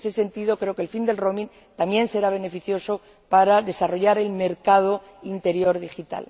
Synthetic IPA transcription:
sese̞nt̪iðokɾe̞okelfind̪e̞lro̞mĩn | t̪amje̞nse̞ɾaβ̞e̞ne̞fiθjo̞so | paɾaðe̞saro̞ʝaɾe̞lme̞ɾkað̞o̞ | int̪e̞ɾjo̞ɾðixit̪a̰l

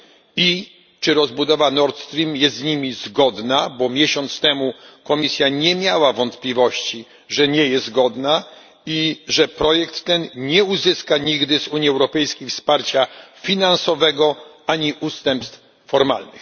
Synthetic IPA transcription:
i | t͡ʂɘɾɔzbud̪ɔvanɔɾt̪st̪ɾʲimjɛst̪ɲimʲizɡɔd̪nabɔmʲjɛɕɔnt̪st̪ɛmukɔmʲisʲjaɲɛmʲjawavɔnt̪plʲivɔɕt͡ɕi | ʐɛɲɛjɛsɡɔd̪na | iʐɛpɾɔjɛkt̪ːɛnɲɛuzɘskaɲiɡd̪ɘzuɲjiɛwɾɔpɛjskʲejfspaɾt͡ɕafʲinansɔvɛɡɔ | aɲiʔust̪ɛmpst̪f | fɔɾma̰lnɘ̰x

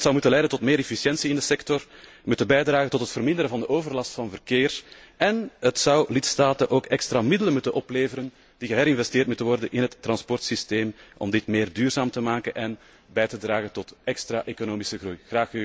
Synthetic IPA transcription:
tsɑwmutənlɛjdəntɔtmeːɾɛfisjɛnsiɪndəsɛktɔr | mʉtənbɛjdraːɣəntɔtɦətfərmɪnd̪əɾənvɑndəʔoːvərlɑstfɑnvərkeːr | ʔɛnətsɑwlɪtstaːtənʔoːkɛkstɾamɪdələmutənʔɔpleːvəɾən | d̥iɣəɦɛɾɪnvɛsteːrtmutənʋɔrdənɪnɦətːrɑnspɔrtsisteːmʔɔ̰mdɪtmeːrdyːrzaːmtəmaːkənʔɛn | bɛjtədɾaːɣəntɔtʔɛkstɾaːʔeːkonoːmisəɣrujɣraːxy

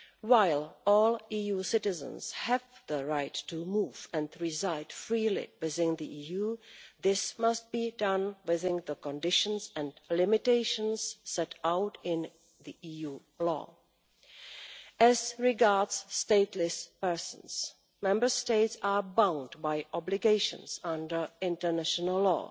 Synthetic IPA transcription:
waɪlˠɔːlˠijusɪtɪzə̰̃nshɛvðəɹaɪtːumuːvɛ̃ndɹɪzaɪdfɹiːlɪ̰wɪðɪ̃nðiʔijuːðɪsmast̚b̥iːdʌ̃nwɪðɪ̃nðəkɔ̃ndɪʃə̃nsɛ̃ndlɪmɪteɪʃə̃nsːɛtaʊtɪ̃n | ðiʔiju | lɔ̰ː | ɛzɹɪɡaɹdsːteɪtʰlɪspɛ˞sə̃n̩s | mɛ̃mbə˞steɪtsabãʊ̃ndbaɪʔɔblɪɡeɪʃə̰̃nsʌ̃ndə˞ɪ̃ntə˞næʃənəlˠlɔ̰

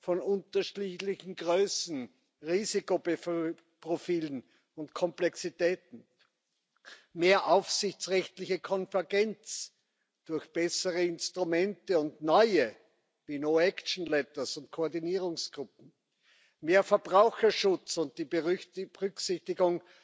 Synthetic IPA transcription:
fɔnʊ̃ntɐʃlilɪçn̩ɡʁøːsn̩ | ʁiːzikobef | pʁofiːlən | ʊntkʰɔmplɛksitɛːtn̩ | meːɐʔaʊfsɪçt͡sʁɛçtlɪçəkʰɔnvɛɐɡɛnt͡s | d̥ʊɐçb̥ɛsəʁəɪnstʁʊmɛntəʊntnɔʏə | viːnoːɛkʃn̩lɛtɐsʊnt̚kʰoːɐdiniːʁʊŋsɡ̥ʁʊp̚m̩ | meːɐfɛɐb̥ʁaʊxɐʃʊt͡sʊnt̚d̥iːbəʁʏksɪçtɪɡʊŋ

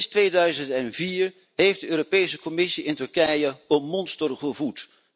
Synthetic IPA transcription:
stʋejdœɥzəntɛnviːɹ | ɦejfdəøːɾopejsəkɔmɪsiɪntɵɹkɛjəəmɔnstərχəvut

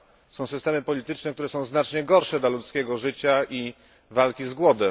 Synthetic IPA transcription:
sɔ̃w̃sɘst̪ɛmɘpɔlʲit̪ɘt͡ʂnɛk̚t̪uɾɛsɔ̃w̃znat͡ʂɲɛɡɔɾʂɛd̪lalut̪skʲɛɡɔʐɘt͡ɕaʔi | valkʲizɡwɔd̪ɛ

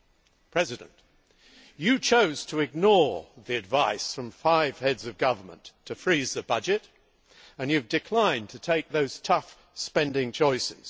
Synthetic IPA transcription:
pʰɹ̥ɛzɨɾɨ̰̃nʔ | jɨt͡ʃʰoʊz̥tʰəɨɡ̚nɔɹðiɨdvaɪsfɹʌ̃ɱfaɪv̥hɛdzʌvɡʌvə˞mə̰̃ntʰɨfɹizðɨbʌd͡ʒɪɾ | ɨ̃njɨvdɨkʰl̥ãɪ̃ntʰɨtʰeɪk̚ðoʊz̥tʰʌf | spɛ̃ndɪ̃ŋt͡ʃʰɔɪsɪ̰z̥

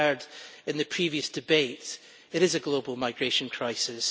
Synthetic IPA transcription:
ə˞dɪ̃nðɨpʰɹ̥iviɨsd̥ɪbeʔ | ɪʔɪzəɡlˠobəl̩ˠmaɪɡɹeʃə̃nkʰɹ̥aɪsɪs

